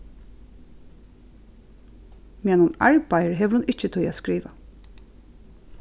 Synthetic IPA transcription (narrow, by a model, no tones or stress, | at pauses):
mɛnʊna̰ɹbajəɹɦɛʋəɾhʊnɪt͡ʃət̪ʰɔjaːskɾiːʋa